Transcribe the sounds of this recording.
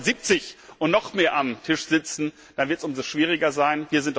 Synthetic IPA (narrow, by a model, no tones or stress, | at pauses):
ziːp̚t͡sɪçʔʊntnɔχmeːɐʔamtʰɪʃz̥ɪt͡sn̩ | d̥anvɪɐtsʔʊmzoʃv̥iːʁ̞ɪɡɐzaɪnviːɐzɪnt